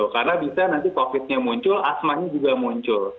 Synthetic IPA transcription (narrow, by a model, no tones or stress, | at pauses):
ʊkarənabisanant̪ikofɪt̪̚ɲamuɲt͡ʃʊlasmahɲad͡ʒuɡamuɲt͡ʃʊl